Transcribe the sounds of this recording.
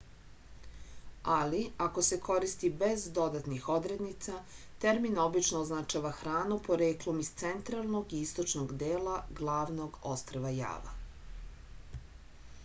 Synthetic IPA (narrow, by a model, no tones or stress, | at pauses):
aliakose̞ko̞ɾist̪ibe̞zd̪o̞d̪at̪nixo̞d̪ɾed̪nit̪sat̪eɾminobit͡ʃnoːznat͡ʃaːʋaxɾaːnupo̞ɾeːklo̞mist̪se̞nt̪ɾalˠno̞ɡiist̪o̞t͡ʃnoɡd̪eːlaɡlˠaːʋno̞ɡo̞st̪ɾoʋaja̰ːʋa̰